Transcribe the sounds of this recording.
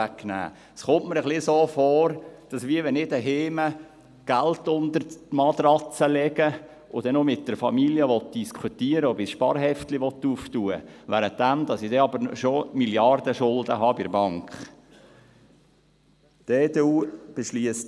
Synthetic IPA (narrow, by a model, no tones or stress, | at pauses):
æknæ̰ː | sχʊmʔməɾəχlɪsoːfɔːɾd̥ɑsʋiəʋɛnɪdəɦeːmə | ɡ̥æltʊnd̪əɾmɑd̪rɑt͡səlɛɡə | ʊd̥ɛnomɪt̚d̥əɾfɑmiljəʋɔt̚d̥iskʰutiːəɾəobɪsʃpɑ̰ɾɦɛftlɪʋɔt̪ːuːftuːəʋæɾətd̥æmdɑsɪd̥ɛɑbəɾʃomiljɑrd̥əʃʊldəɦɑːbɪɾbɑŋkχ | d̥eːd̥euːb̥eʃliəst